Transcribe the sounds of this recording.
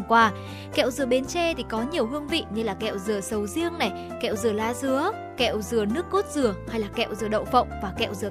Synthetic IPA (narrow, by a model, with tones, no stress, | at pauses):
kwaː˧ | kɛ̰˧˨wzɨ̰˨˩əɓe˨˦nt͡ɕɛ˧t̪ʰi˨˩kɔ˨˦ɲi˨˩əwɦɨ˧əŋvḭ˧˨ɲɨ˧laː˨˩kɛ̰˧˨wzɨ˨˩əsə˨˦wzi˧əŋna˨˩j | kɛ̰˧˨wzɨ˨˩əlaː˧zɨ˨˦ə | kɛ̰˧˨wzɨ˨˩ənɨ˦˥əkːo˦˥t̚zɨ˨˩əhaː˧jlaː˨˩kɛ̰˧˨wzɨ˨˩əɗə̰˧˨ŋ͡mfə̰˧˨wŋ͡mvaː˨˩kɛ̰˧˨wzɨ˨˩ə˨